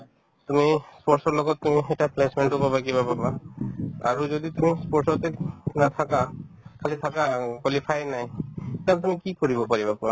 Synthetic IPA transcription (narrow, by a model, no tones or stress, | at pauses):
t̪umispɔɾsɔɾlɔɡɔt̪t̪umieʈaplesmeɳʈobabakibababa | a̰ɾod͡ʒod̪it̪umispɔɾsɔt̪enat̪ʰakakʰalit̪ʰakakwalifʰajnajt̪at̪umikikoɾibopaɾibapa